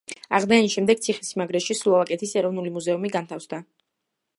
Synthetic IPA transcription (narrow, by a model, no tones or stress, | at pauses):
aʁd̪aaniʃɛmd̪ɛɡ̥̚t̪sʰiχisimaɡɾɛʃisuavakʼɛt̪ʰisɛɾɔvnulimuzɛumiɡant̪ʰafsd̪a